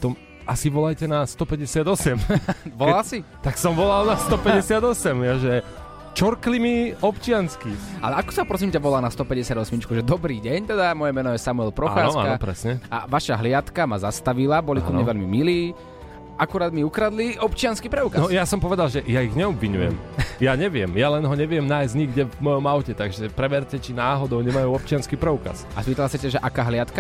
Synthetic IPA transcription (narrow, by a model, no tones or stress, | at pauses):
t̪ɔm | asiʋɔlajcɛnast̪ɔpɛɟɛsɪad̪ɔsɛmʋɔlasit̪aksɔmʋɔlalnast̪ɔpɛɟɛsɪad̪ɔsɛmjɛʒɛ | t͡ʃɔɾklimiɔpt͡ʃɪanskia̰lɛakɔ̥saɔpɾɔs̬imcaʋɔlaːnast̪ɔpɛɟɛsɪad̪ɔsmit͡ʃkuʒɛd̪ɔbɾiːɟɛɲt̪ɛd̪amɔjɛmɛnɔjɛsamuɛlpɾɔaxaːɔa̰naɔpɾɛ̰sɲɛa̰ʋaʃaɦlɪat̪kamazast̪aʋilabɔliɔmɲɛʋɛlmimiliː | akuɾaːd̪miukɾad̪liɔpt͡ʃɪanskipɾɛuːkanjasɔmpɔʋɛd̪alʒɛjaiɣɲɛɔbviɲujɛ̰mjaɲɛʋɪɛmjalɛnɦɔɲɛʋɪɛmnajzɲiɡɟɛvmɔjɔmaʊcɛt̪aɡʒɛpɾɛbɛɾcɛt͡ʃinaːɦɔd̪ɔʊɲɛmajuːɔp̚t͡ʃɪanskiːpɾɛuka̰s | a̰spiːt̪lɛlasacaʒɛʔakaːɦlɪat̪ka